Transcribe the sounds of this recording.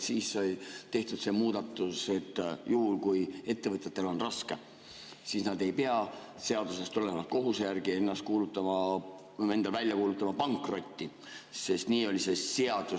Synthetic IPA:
siːssɑjt̪e̞ht̪ud̪̥se̞ːmuːd̪̥ɑt̪ːˑuse̞t̪ːjuhulkuje̞t̪ːe̞vɤt̪ʲjet̪ːˑe̞lo̞nrɑske̞ | siːsnɑd̪e̞jpe̞ɑ | se̞ɑd̪̥use̞st̪ole̞mɑt̪̚ko̞ɦusjærɡie̞nːɑst̪̚kuːlut̪ːˑɑmɑ | e̞nd̪ɑlvælʲjɑkuːlut̪ːˑɑmɑpɑŋkˑro̞t̪ʲːi | se̞st̪niːo̞lʲise̞se̞ɑd̪̥u

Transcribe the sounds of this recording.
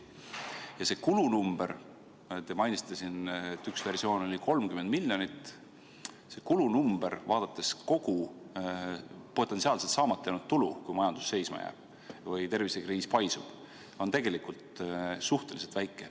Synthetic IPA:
jɑse̞kulunumb̥e̞ɾ | t̪emɑjnʲist̪ɑsint̪ːˑyksve̞rsio̞ːno̞lʲiko̞lmkyme̞nd̪̚milʲːjo̞nit̪ː | se̞kulunumb̥e̞ɾvɑːd̪̥ɑt̪ːˑe̞sko̞ɡ̥u | po̞t̪ːˑensiɑːlset̪sɑːmɑt̪ːejnut̪ːulṵkujmɑjɑnd̪̥u̥sːe̞jsmɑ̰jæ̰ːb̥̚ | vɯjt̪e̞rvise̞kriːspɑjsṵb̥ | o̞nt̪e̞ɡe̞likult̪suht̪e̞liset̪væjkːˑe̞

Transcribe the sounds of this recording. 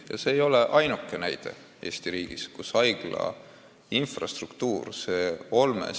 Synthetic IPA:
jɑ̰se̞ːjo̞le̞ʔɑjnukːˑe̞næjd̪̥e̞̰ | e̞ːst̪iɾiːɡ̥iskusɑjɡ̥lɑ̰ | infrɑst̪rukt̪uːrseːo̞lmḛ

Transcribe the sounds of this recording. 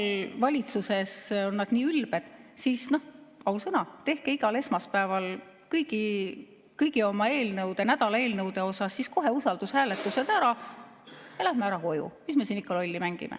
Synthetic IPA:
vɑlʲit̪suse̞so̞nːɑd̪̥niːylbe̞d̪̥siːsno̞hɑusɤnɑt̪e̞hkeiɡ̥ɑle̞smɑspæevɑl | kɤjɡ̥i | kɤjɡio̞mɑe̞ːlnɤwd̪e̞næd̪̥ɑlɑeːlnɤwd̪e̞o̞sɑsːisko̞ɦe̞usɑld̪̥ushæːlet̪ːˑuse̞d̪̥æɾɑ | elæhmeæɾɑko̞jṵmisme̞siːnikːˑɑlo̞lʲːimæŋɡ̥ḭmʔḛ

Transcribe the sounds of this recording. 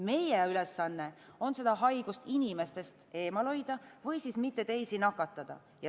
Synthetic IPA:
me̞jeylesːɑnːe̞o̞nse̞d̪̥ɑɦɑjɡ̥ust̪inime̞st̪e̞st̪e̞ːmɑlo̞jd̪̥ɑvɤjsismit̪ːˑe̞t̪e̞jsinɑkːˑɑt̪ːˑɑd̪̥ɑ̰ | jɑ

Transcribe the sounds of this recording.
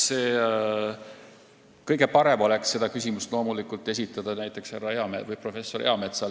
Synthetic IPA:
seː | kɤjɡ̥e̞pɑɾe̞mo̞leksːe̞d̪̥ɑkysʲimust̪lo̞ːmulikˑult̪ːˑe̞sʲit̪ːˑɑd̪̥ɑnæjt̪ːˑe̞ksherːɑeɑmevɯjpro̞fe̞sːo̞ɾe̞̰ɑme̞t̪sɑ

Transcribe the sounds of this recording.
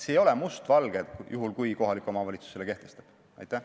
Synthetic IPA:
sejo̞lemust̪vɑlɡ̥ejuɦulkujko̞ɦɑlikːˑo̞mɑvɑlʲit̪su̥se̞le̞ke̞ht̪e̞st̪ɑ̥b̥ | ɑ̰jt̪ːˑæ

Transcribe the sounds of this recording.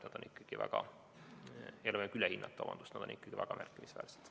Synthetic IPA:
nɑd̪̥o̞nikːɑɡ̥ivʔæ̰ɡ̥ɑ | elvekylehinːɑt̪ːˑeɑ̰mɑ̰nd̪ust̪nɑd̥̪o̞nikːˑɑɡ̥ivæɡ̥ɑmærkːˑimisvæ̰ːlse̥d̪̥

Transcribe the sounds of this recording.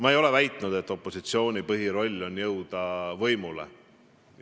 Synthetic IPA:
mɑejo̞le̞væjt̪ˑnud̪̥e̞t̪ːˑo̞pːo̞sit̪sio̞ːnʲipɤɦiɾo̞lʲːo̞njɤwd̪̥ɑvɤjmulḛ

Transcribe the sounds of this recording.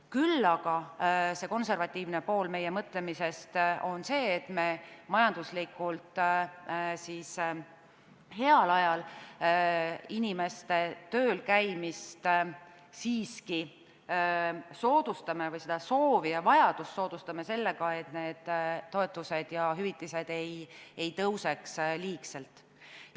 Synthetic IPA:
kylːɑɡ̥ɑse̞ko̞nse̞rvɑt̪ʲːˑiːvne̞po̞ːlme̞je̞mɤt̪ˑle̞mise̞st̪o̞nse̞ːt̪ˑme̞mɑjɑnd̪̥uslikˑult̪ˑ | siːs | he̞ɑlɑjɑl | inʲime̞st̪e̞t̪øːlkæjmist̪ | siːski | so̞ːd̪̥ust̪ɑme̞vɤjsed̪̥ɑso̞ːviɑvɑjɑd̪̥ust̪so̞ːd̪̥ust̪ɑme̞se̞lːe̞ɡ̥ɑe̞t̪ne̞ːd̪̥tːo̞e̞t̪ːˑuse̞d̪̥jɑɦyvit̪ːˑise̞d̪̥e̞jejt̪ɤwse̞ksliːkse̞lt̪ːˑ

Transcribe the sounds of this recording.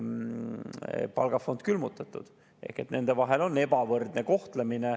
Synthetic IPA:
pɑ̰lɡ̥ɑfo̞nd̪̥̚kylmut̪ːˑɑt̪ːˑṵd̪̥ | ʔe̞̰hkːe̞t̪ːne̞nd̪e̞vɑɦe̞lo̞nːe̞b̥ɑvɤrd̪̥neko̞ht̪lemine

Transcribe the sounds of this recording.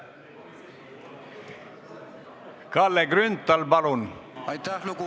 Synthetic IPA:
kɑlːeɡɾynt̪ːɑlbɑlunjt̪alk

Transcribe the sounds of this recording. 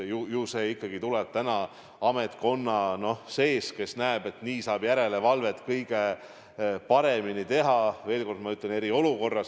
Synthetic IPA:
jujuːse̞ːikˑːɑɡit̪ulɛb̥̚t̪ænɑ | ɑme̞t̪ko̞nːɑno̞hse̞ːske̞snæeb̥e̞t̪niːsɑːb̥jæɾe̞le̞vɑlve̞t̪kɤjɡ̥e̞ | pɑɾe̞minit̪e̞ɦɑve̞ːlko̞rd̪mɑyt̪ːˑlene̞ɾio̞luko̞rːɑs

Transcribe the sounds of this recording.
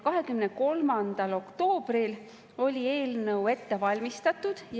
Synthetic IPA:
kɑɦe̞kymne̞ko̞lmɑnd̪̥ɑlo̞kt̪o̞ːb̥ril | o̞lʲie̞ːlnɤwe̞t̪ːe̞vɑlʲmist̪ɑt̪ːˑud̪̥

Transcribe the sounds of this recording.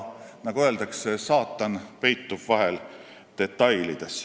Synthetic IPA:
nɑɡ̥uøːld̪̥ɑksesɑːt̪ːˑɑnpe̞jt̪ːub̥vɑɦel | t̪e̞t̪ːɑjlid̪̥es

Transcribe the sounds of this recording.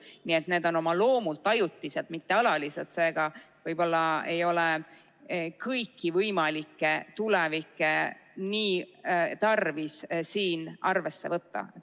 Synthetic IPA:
nie̞t̪ne̞ːd̪̥ono̞mɑlo̞ːmult̪ːˑɑjut̪ːˑise̞lt̪̚mit̪ːe̞ɑlɑliset̪se̞ːɡ̥ɑ | vɤjb̥o̞lːɑe̞jo̞le | kɤjkːivɤjmɑlikːˑe̞t̪ulevikːˑe̞niːt̪ɑrvissiːnʔɑrve̞sːe̞̰vɤt̪ːɑ̰et̪

